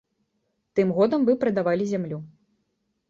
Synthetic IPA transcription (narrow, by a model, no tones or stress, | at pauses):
t̪ɨmɣɔd̪ɐmvɨpɾɨd̪avalʲizʲamlʲu